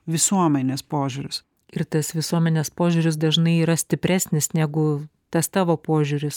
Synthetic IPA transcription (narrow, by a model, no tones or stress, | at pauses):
ʋʲɪsuɔmʲɛnʲeːspoːʒʲuɾʲʊs | ɪɾt̪ɐsʋʲɪsuɔmʲɛnʲeːspoːʒʲuːɾʲɪs̬d̪ɐʒnɐɪiːɾɐsʲt̪ʲɪpʲɾʲæːsʲnʲɪsnʲæːɡʊ | t̪ɐst̪ɑːʋoːpoɔʒʲuɾʲɪs